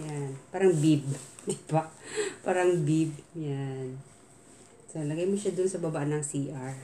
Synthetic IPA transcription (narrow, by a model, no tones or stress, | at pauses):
janpaːɾɐŋbib̚d̪ibapaːɾɐŋbib̚jan | solɐɡɐjmoʃad̪ʊnsɐbɐbaʔanɐŋsiːʔaɹ